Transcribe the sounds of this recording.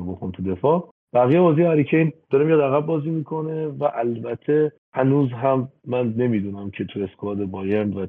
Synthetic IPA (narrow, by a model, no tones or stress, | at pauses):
boxunt̪ʰud̪e̞fɒː | b̥æɣijebɒːzijeæɾicʰejnd̪̥ɒːɾemijɑd̪æɣæb̚ːɒːziːmiːkʰo̞ne̞væʔælbæt̪ʰe | hænuːzɦæmːænːe̞mid̪uːnæmcʰe̞t̪ʰueskɒːd̪ebɒːjænd̪væ